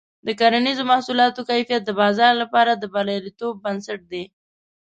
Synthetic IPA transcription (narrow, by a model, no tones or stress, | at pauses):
d̪əkaɾanizomahsulɑt̪okajfijat̪̚d̪əbɑzɑɾlapɑɾad̪əbaljɑɾit̪obːansaʈ̚d̪e